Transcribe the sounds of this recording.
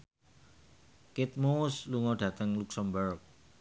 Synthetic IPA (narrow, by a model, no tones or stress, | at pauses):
kɪt̪̚moʊsluŋɔɖ̥ä̤t̪əŋluksəmbərk̚